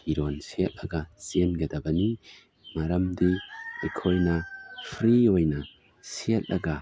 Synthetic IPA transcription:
iɾonsiet̚lɐɡɐsenɡɐdɐbɐni | mɐɾɐmdiikʰojnɐpʰɾiojnɐ | siet̚lɐɡɐ

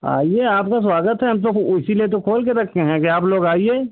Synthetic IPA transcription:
a̰ːieːaːpkaswaːɡət̪ɦɛɦɐmt̪̬oɪsiliet̪̬okʰoːlkeɾɐk̚ʰt̪eɦɛ̃keaːploːɡaːieː

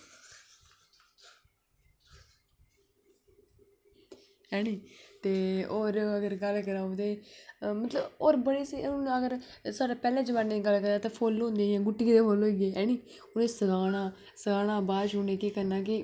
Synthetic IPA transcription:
ɦɛːɽ̃iːt̪eːoːɾəɡəɾɡəlkəɾãːõt̪eːmət̪ləboːɾbəɽeːsiːʊnəɡəɾsaːɾaːpɛːlãːd͡ʒəʋanneːɡəlkəɾaːt̪ãːpʰoːlõːnd̪eːãːɡʊʈːikd̪eːpʰoːloːɪɡeːɦɛːñiː | ʊnẽːsəɡaːnaː | səɡaːnãːbaːʃʊːnẽːkiːkəɾnaːk̬ɪ

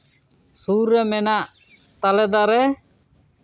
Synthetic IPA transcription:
suɾːɛmɛnaʔ | t̪alɛd̪aɾɛ

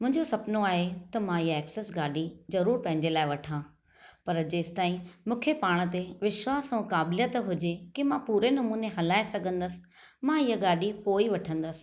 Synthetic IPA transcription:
mʊ̃ɦɪ̃ɲd͡ʑosɐpnoaːɦet̪ɐmãiɦəɛːksesɡaːɖizɐɾuːɾpɐ̃ɦɪ̃ɲ̆d͡ʑelaːɪʋɐʈʰãː | pɐɾd͡ʑeːsɪ̥t̪aːĩmũːkʰepaːɽ̃ət̪eʋɪʃwaːsʊ̃kaːbljət̪ɦʊd͡ʑekimãpuːɾenɐmuːneɦɐlaːesɐɡʱə̃nd̪əsɪ̥̆ | mãɪjəɡaːɗipoːiʋɐʈʰə̃nd̪əsɪ̥̆

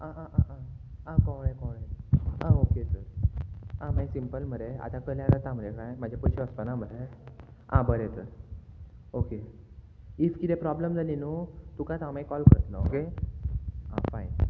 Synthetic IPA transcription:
aʔaʔaʔã | ãkɔ̃ɽekɔ̃ɽeãokesəɾ | ãmaisimpəlm̤əɾea̰t̪akəljãɽət̪ãm̤ɾekajm̤ad͡ʑʱapəjɕeəspənam̤əɾe | ã̰bəɾet̪əɾ | oke | ifkit̪epɾɔbləmd͡zalinut̪ũkãjt̪ãmãikɔlkəɾət̪na̰oke | ã̰fain

